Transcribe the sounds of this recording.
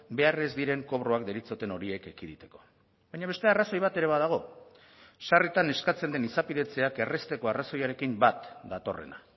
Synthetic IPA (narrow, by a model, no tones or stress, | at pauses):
be̞are̞zd̪iɾe̞ŋko̞β̞ɾo̞akd̪e̞ɾit͡so̞t̪e̞no̞ɾie̞ke̞kiðit̪e̞̥ko̞̥ | bajɲaβe̞st̪e̞araso̞jβat̪e̞ɾe̞β̞að̞aɣ̞o̞ | sarit̪ane̞skat͡se̞nd̪e̞nisapiðe̞t͡se̞ake̞re̞st̪e̞ko̞araso̞jaɾe̞kimbat̪d̪at̪o̞̰re̞̰na̰